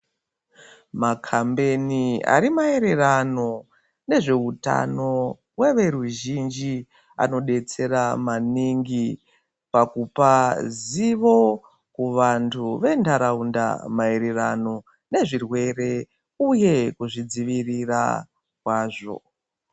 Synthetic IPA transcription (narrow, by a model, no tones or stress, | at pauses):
makʰambe̞nia̰ɾimae̞ɾe̞rano̞ | ne̞ʐe̞uta̰no̞ | we̞ʋe̞ɾuʒind͡ʒi | a̰no̞ɗe̞t͡se̞ɾamaniŋɡi | pakupaziʋo̞ | kuʋantʰuʋe̞ndaɾaunda̰mae̞ɾe̞rano̞ | ne̞ʐirwe̞re̞ | uje̞kuʐid͡ziʋirira̰ | kwaːʐo̞̰